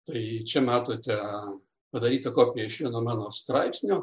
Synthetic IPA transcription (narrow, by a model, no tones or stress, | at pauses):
t̪ɐɪt͡ʃʲɛmɑːt̪oːt̪ʲɛ | pɐd̪ɐɾʲiːt̪ɐkoːpʲɪjɛɪʃʲʋʲiɛnoːmɑːnoːst̪ɾɐɪpsʲnʲoː